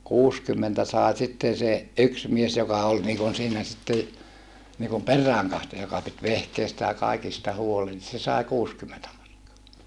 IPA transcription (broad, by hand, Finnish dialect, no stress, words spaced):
kuːskymːentæ sɑˑe sitːen̞ se yks mies jokɑ ol niːkun siːnæ sitːe niːkum perˑæːŋkɑhtojɑ jokɑ pit ʋehkeistæ jɑ kɑˑikistɑ huolen se sɑˑi kuːskymːentæ mɑrkːoɑ